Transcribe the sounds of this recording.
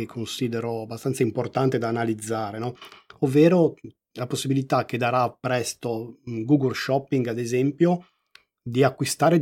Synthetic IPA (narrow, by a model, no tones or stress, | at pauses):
ekʰːonsiːd̪eɾoabːast̪ant̪saimport̪ant̪ed̪aːnalid̪zːaːɾenɔovːeːɾo | laposːibilit̪ak̟ed̪aɾapːɾɛst̪oɡuɡolʃɔpːiŋɡad̪ezɛmpjo | d̪iakːwist̪aːɾe